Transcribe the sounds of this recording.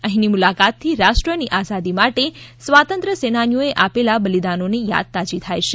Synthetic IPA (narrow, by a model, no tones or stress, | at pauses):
əɦĩnimulakat̪ʰːiɾaʃʈɾəniʔazad̪imaʈesʋat̪ənt̪ɾəsenanjoeʔapelabəlid̪anoneja̰d̪̚t̪ad͡ʒit̪ʰajʃe